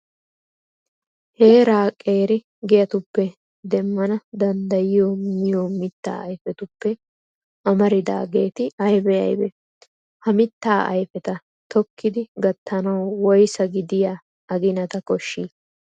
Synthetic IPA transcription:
he̞ːɾaːkʼːe̞ːɾɪ | ɡɛjɐt̪ʊpːɛ | d̪ɛmːɐnɐd̪ɐnd̪ɐjɪjoːmɪjoːmɪt̪ːa̰ːɐjfɛt̪ʊpːɛ | ʔɐmɐɾɪd̪a̰ːɡe̞ːt̪ɪɐjbɛɐ̰jbɛ | hɐmɪt̪ːaːʔɐ̰jfɛt̪ɐ | t̪ɔkːɪd̪ɪɡɐt̪ːɐnɐwwɔjsɐɡɪd̪ɪja | ɐɡɪnɐt̪ɐkʼɔʃːi

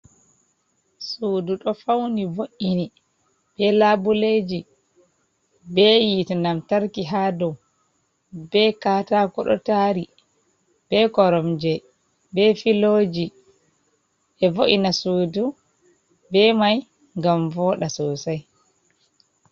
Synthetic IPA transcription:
suːduɗɔfawnivoʔini | b̥ɛlabuled͡ʒi | bɛjitnamtaɾkiɦadɔw | bɛkaːtakɔɗɔ̰taɾi | b̥ɛkɔɾɔmd͡ʒɛ | bɛfiloːd͡ʒi | ʔɛvoʔinasuːdu | bɛmaj | ŋɡamvɔːɗasɔːsaj

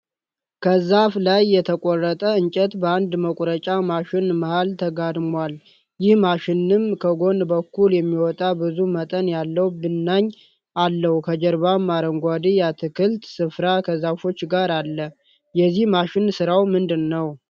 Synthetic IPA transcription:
kʰəzaflajːɛt̪ʰəkʼɔrːət̪ʼəɨɲt͡ʃʼɛt̪bəand̪məkʷʼɾət͡ʃʼamaʃɪnməhalt̪ʰəɡad̪mwal | jɪhmaʃɪnːɨmkʰəɡo̞nbəkːuljɛmːiwɔt̪ʼabɨzumət̪ʼənjalːəwbɨnːaɲː | ʔalːəhukʰəd͡ʒɛɾβamːaɾəŋɡʷad̪ijat̪ʰɨkʰɨlt̪sɨfɾakʰəzafo̞t͡ʃːɡaɾalːə | jɛzːihmaʃɪnsɨɾawmɨnd̪ɨnːəw

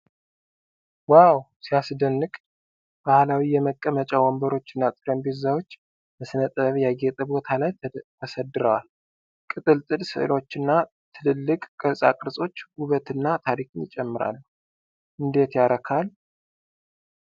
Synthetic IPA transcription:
waw | siasd̪ənːɨkʼ | b̥ahlawijɛməkʼːəmət͡ʃʼawɔmbəɾo̞t͡ʃːɨnːat̪ʼɨɾəmbezawot͡ʃː | məsɨnət̪ʼəβjaɡet̪ʼəbo̞t̪ʰalajt̪ʰəsəd̪ɨɾəwal | kʼɨt̪ʼɨlt̪ʼɨlsɨ̰ʔɨ̰lo̞t͡ʃːɨnːa | t̪ʰɨlɨlːɨkʼkʼəsʼa̰kʼɨɾsʼo̞t͡ʃːɡuβət̪ɨnːat̪ʰaɾikʰʼɨnjɪt͡ʃʼɛmːɨɾa̰lːu | ʔɨnd̪e̞t̪jaɾəkʰal

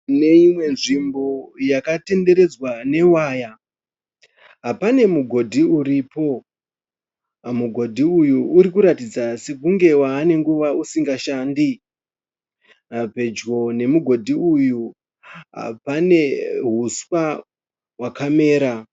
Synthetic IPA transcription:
ne̞imwe̞nʐimbo̞jakate̞nde̞ɾe̞d͡zwane̞waːja | ɦapane̞muɡʱo̞dʱiuɾiːpo̞ | muɡʱo̞dʱiujuːɾikuɾatid͡zase̞k̬uŋɡe̞waːne̞ŋɡuʋausiŋɡaʃaːndi | pe̞d͡ʒɡo̞ne̞muɡʱo̞dʱiuju | ɦa̰pane̞ɦuswa | wakame̞ːɾa

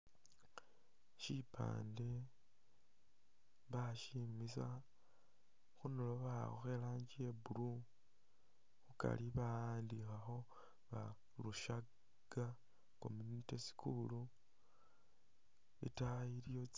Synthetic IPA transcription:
ʃipʰa̰ːnde̞ | βaʃimisa | xunoloβaoxe̞laːɲɟiebuɾu | xuka̰liβaaːndixaxo̞ | βa | luʃa | ɡ̥a | ko̰minitesi̥kʰulu | ḭtaiɾijo

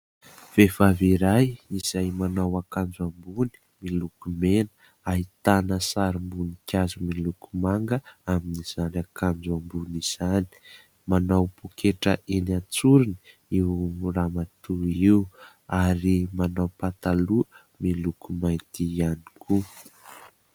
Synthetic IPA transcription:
v̥efaviɾajiz̥ajmanawakand͡zuambuni̥ | milukumenə | ait̪anəsaɾimbunikʲjazumilukumaŋɡəaminiz̥anakand͡ʒuambuniz̥ani̥ | manawpukeʈ͡ʂə̰ʔenat͡suɾini̥ | iwramat̪uiw | aɾimanawpat̪alu | milukumaj̪t̪iani̥kʰu

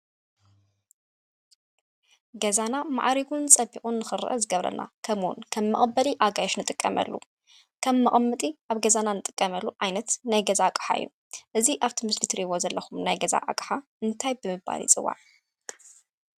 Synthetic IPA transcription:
ɡɐzanama̰ʕɾiɡunt͡sʼɐbikʼunːɨxɨɾɨ̰ʔɐzɨɡɐβɾɐ̰nʔa̰kʰɐmwṵnkʰɐmːɐχʼbːɐliʔaɡajoʃnɨt̪ʼɨkʼːɐmɐ̰lːṵ | kʰɐmːɐʔʼmːɨt̪ʼiʔaβɡɐzananɨt̪ʼɨ̥kʼːɐmɐlːuʕajnɐt̪najɡɐzakʼħa̰ɨ̰jːṵ | ʔɨziʔaβt̪ʰimɨslit̪ʰɨɾiβo̞zɐlːɐxumnajɡɐza̰ʔa̰kʼħa | ɨnt̪ʰajbɨmɨbːa̰lḭt͡sʼɨ̰wːa̰ʕ

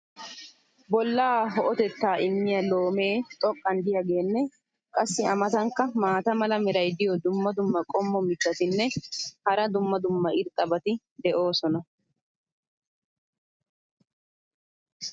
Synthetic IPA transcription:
bɔlːaːɦɔʔɔt̪ɛt̪ːaːʔɪmːɪjɐlo̞ːme̞ːt̪ʼɔkʼːɐnd̪ɪjaɡe̞ːnːɛ | kʼɐsːɪɐmɐt̪ɐŋkːɐmaːt̪ɐmɐlɐmɛɾɐjd̪ɪjɔd̪ʊmːɐd̪ʊmːɐkʼɔmːɔmɪt̪ːɐt̪ɪnːɛhɐɾɐd̪ʊmːɐd̪ʊmːɐʔɪɾkʼːɐbɐt̪ɪ | d̪ɛʔo̞ːsɔnɐ

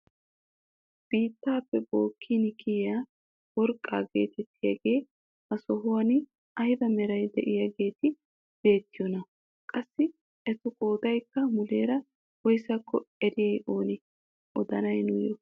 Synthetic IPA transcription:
b̥iːt̪ːaːpːɛbo̞ːkʰːiːnɪkɪjjaː | wɔɾkʼːa̰ːɡe̞̰ːt̪ʰɛt̪ːɪjɐ̰ɡe̞ː | hɐsɔɦʊwɐn | ʔɐjɪd̪ɐmɛɾɐjd̪ɛʔɪjɐɡe̞ːt̪ɪ | b̥e̞ːt̪ːɪjɔnɐ | kʼɐsːɪ | ʔɛt̪ʊkʼo̞ːd̪ɐjkːɐmʊle̞ːɾɐ | wɔjsɐkːɔɛɾɪjɐjʔo̞ːnɪ | ʔɔd̪ɐnɐjnʊjɔ

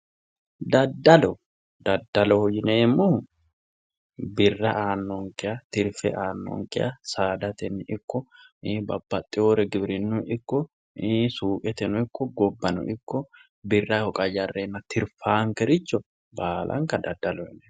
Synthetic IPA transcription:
d̪ɐd̪ːɐlɔ | d̪ɐd̪ːɐlɔhɔjɪneːmːʊ | bɪrːɐʔaːnːɔŋkɪjat̪ɪɾfɛ̰ʔaːnːɔ̰ŋkɪjasaːd̪ɐt̪ɛnːɪkːɔbɐb̥ːɐt̪ʼːɪoːɾɛɡɪbɾɪnːʊnɪkːɔ | suːkʼɛt̪ɛnʊɪkːɔɡɔbːɐnɔ̰ʔɪkːɔ | bɪrːɐhɔkʼɐjɐrːenːɐt̪ɪɾfaːŋkɛɾɪt͡ʃːɔ | baːlʔɐ̰ŋkɐd̪ɐd̪ːɐlɔɛnɛ

